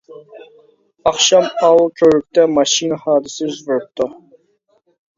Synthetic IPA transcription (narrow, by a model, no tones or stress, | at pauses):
ɑχʃɑmɑwlˠkʲʰøɾyk̚ʲt̪ɛmɑʃinɨhɑːd̪ɨsɪzʁʊɾɨp̚t̪ʰu